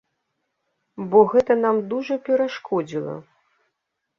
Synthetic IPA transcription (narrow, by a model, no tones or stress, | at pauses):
bɔɣɛt̪ɐnamd̪uʐɐpʲɛɾaʂkʰɔd͡zʲilˠɐ̰